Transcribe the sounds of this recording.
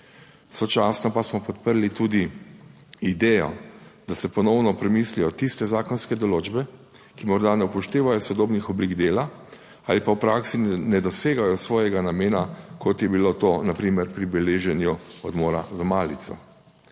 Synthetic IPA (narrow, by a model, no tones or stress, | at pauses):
sɔt͡ʃaːsnɔpasmɔpɔt̪̚pəɾlit̪uːd̪i | id̪ɛːjɔ̰d̪asɛpɔnɔwnɔpɾɛmislijɔt̪ist̪ɛzaːkɔnskɛd̪ɔloːd͡ʒbɛ | kimɔɾd̪anɛupɔʃt̪eːʋajɔsɔd̪oːbnixɔbliɡd̪eːla | alipawpɾaksinɛd̪ɔseːɡajɔsʋɔːjɛɡanameːnakʰɔt̪jɛbilot̪oːnapɾiːmɛɾpɾibɛleːʒɛnjuɔd̪moːɾazamaːlit̪sɔ̰